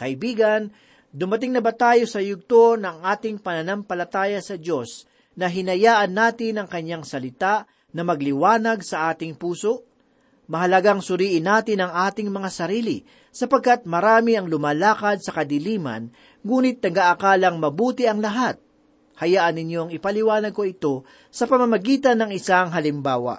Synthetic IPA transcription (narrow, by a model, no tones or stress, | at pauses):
kɐʔɪbiːɡɐn | d̪ʊmɐt̪ɪŋnɐbat̪aːjo̞sɐjʊɡ̚t̪o̞nɐŋʔaːt̪ɪŋpɐnɐnɐmpɐlɐt̪aːjɐsɐd͡ʒo̞s | nɐɦɪnɐjaːʔɐnːaːt̪ɪnɐŋkɐɲːaŋsɐlɪt̪aʔ | nɐmɐɡlɪwaːnɐɡsɐʔaːt̪ɪŋpuːso̞ʔ | mɐɦɐlɐɡaŋsʊɾiːʔɪnːaːt̪ɪnɐŋʔaːt̪ɪŋmɐŋasɐɾiːlɪ̰ | sɐpɐɡ̚kat̪̚mɐɾaːmɪɐŋlʊmaːlaːkɐd̪̚sɐkɐd̪ɪliːmɐ̰n | ŋuːnɪt̪̚ːɐɡaʔɐkaːlɐŋmɐbuːt̪ɪɐŋlɐɦat̪̚ | hɐjaːʔɐnːɪɲjoɐŋɪpɐlɪwaːnɐɡ̚ko̞ɪt̪o̞ | sɐpɐmɐmɐɡiːt̪ɐnːɐŋɪsaŋɦɐlɪmbaːwɐ̰ʔ